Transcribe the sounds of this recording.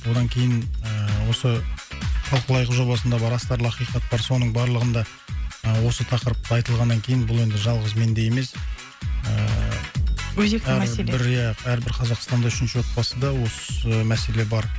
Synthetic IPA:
bo̞d̪ɑŋkʲʰe̞jɪnəwo̞sə | χɑlˠqəlˠɑjʁəʒo̞bɑsənd̪ɑbɑɾɑst̪ɑɾlˠɑqijqɑt̪̚bɑɾso̞nəɴbɑɾlˠəʁənd̪ɑ | əwo̞sət̪ʰɑqəɾəp̚t̪əɑjt̪əlˠʁɑnːɑŋkʲʰe̞jɪnbʊlˠe̞nd̪ɪʒɑlˠʁəzme̞nd̪e̞je̞me̞s | ə | wɵzekææsbɪɾjææɾbɪɾqʰɑzɑqst̪ɑnd̪ɑʏʃɪnʃɪwo̞t̪̚bɑsəd̪ɑwo̞səmæse̞le̞bɑɾ

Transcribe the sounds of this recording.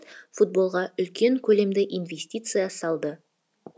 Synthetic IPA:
fut̪̚bo̞lˠʁɑʏlkʲe̞ŋkʲʰɵle̞md̪ɪʔijnvʲesʲt̪ʲijt̪sɨjasɑlˠd̪ə

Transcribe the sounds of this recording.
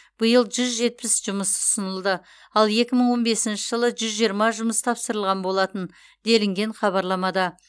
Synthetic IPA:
b̥əjəlˠʒʏzʒe̞t̪̚pɪsʒʊməsʊ̥sənəlˠd̪ə | ɑlˠe̞kʲɪməɴwo̞nbe̞sɪnʃɪʒəlˠəʒʏzʒijəɾmɑʒʊməst̪ʰɑpsəɾəlˠʁɑnbo̞lˠɑt̪ən | d̪e̞lɪŋɡʲe̞ɴχɑβɑɾlˠɑmɑd̪ɑ

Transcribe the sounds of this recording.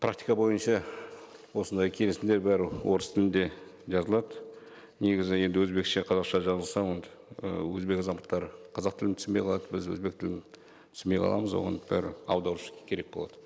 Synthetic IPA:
pʰɾak̚t̪ijkɑbo̞jənʃɑ | wo̞sənd̪ɑjkʲʰe̞lɪsɪnd̪e̞ɾbæɾɪwʔo̞ɾəst̪ʰɪlɪnd̪e̞ʒɑzəlˠɑd̪ə | ne̞ɡʲɪzɪje̞nd̪ɪwɵzbe̞kʃeqʰɑzɑqʃɑʒɑzəlˠsɑwond̪ | əwɵzbe̞kɑzɑmbəqt̪ːɑɾəqʰɑzɑq̚t̪ɪlɪmt̪ʰʏ̥smbejqʰɑlˠɑd̪əbɪzwɵ̰zbe̞k̚t̪ʰɪlɪm | t̪ʰʏ̥sme̞jqʰɑ̰lˠɑ̰məzwo̞̰ʁɑ̰nb̥æ̰ɾɪ̰ɑ̰wd̪ɑɾuʃkʲʰe̞ɾe̞k̚bolˠɑd̪̥ə̥

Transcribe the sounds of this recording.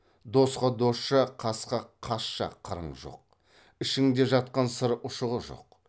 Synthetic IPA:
d̪o̞sqɑd̪o̞sʃɑqʰɑsqɑqʰɑsʃɑ̰qʰəɾə̰ɴʒo̰q̚ | ɪʃɪŋd̪e̞ʒɑt̪̚qɑnsəɾʔʊʃəʁəʒo̞̰q

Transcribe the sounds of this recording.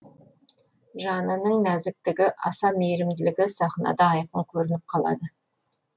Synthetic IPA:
ʒɑnənəɴnæzɪk̚t̪ɪɡʲɪʔɑsɑmejɾɪmd̪ɪlɪɡʲɪsɑχnɑ̰d̪ɑɑjqəɴkʲʰɵɾɪnɪp̚qʰɑlˠɑ̰d̪ə

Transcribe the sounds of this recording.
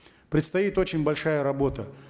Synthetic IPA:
pɾʲɪt̪st̪ɐit̪o̞t͡ɕɪnʲbɐlʲʂajəɾɐbo̞t̪ə

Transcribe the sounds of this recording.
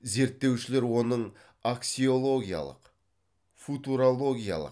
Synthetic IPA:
ze̞ɾt̪ːe̞wʃɪle̞ɾwo̞nəɴ | aksʲio̞lˠo̞ɡʲija̰lˠə̰q | fut̪uɾolˠo̞ɡʲija̰lˠə̰q

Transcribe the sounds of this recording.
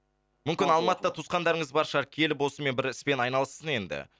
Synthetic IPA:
mʏmkʲɪnɑlˠmɑt̪əːɑt̪ʰusqɑnd̪ɑɾəɴəzbɑɾʃɑɾkʲʰe̞lɪpwo̞səme̞nbɪɾɪspe̞nɑjnɑlˠəst̪əne̞nd̪ɪ̰

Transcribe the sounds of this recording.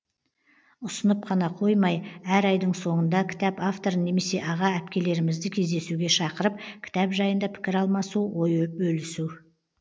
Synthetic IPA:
ʊsənəp̚qʰɑnɑqʰo̞jmɑjæɾɑjd̪əɴso̞ɴənd̪ɑkʲʰɪ̥t̪ɑpaft̪o̞ɾənːe̞me̞se̞ʔɑʁɑæpkʲe̞le̞ɾɪmɪzd̪ɪkʲʰe̞zd̪e̞suɡʲe̞ʃɑqəɾəp̚kʲʰɪ̥t̪ɑpʒɑjənd̪ɑpʰɪ̥kʲɪɾɑlˠmɑsuwo̞jbɵlɪsu

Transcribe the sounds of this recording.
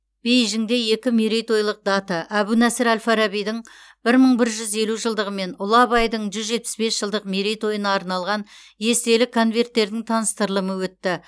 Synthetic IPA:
b̥e̞jʒɪŋd̪e̞je̞kʲɪmiɾejt̪o̞jlˠəq̚d̪ɑt̪əʔæbunæsɪɾælfɑɾɑbijd̪ɪŋ | b̥ɪɾməɴbɪɾʒʏze̞luʒəlˠd̪əʁəme̞nʊlˠɑbɑjd̪əɴʒʏzʒe̞t̪pɪ̥sbe̞sʒ̥əlˠd̪əqmiɾejt̪o̞jənɑːɾnɑlˠʁɑn | je̞st̪e̞lɪkʰo̞nve̞rt̪ːe̞ɾd̪ɪŋt̪ʰɑnəst̪əɾlˠəməwɵt̪ːɪ

